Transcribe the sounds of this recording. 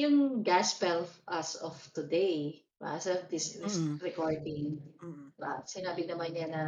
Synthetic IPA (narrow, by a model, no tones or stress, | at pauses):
jʊŋɡaspɛlfʔɐsɔft̪ʊd̪ej | ba̰sɐd̪ɪsɾɪsɾɛkoɹd̪ɪŋ | ba̰sɪnaːbɪnɐmanɲanɐ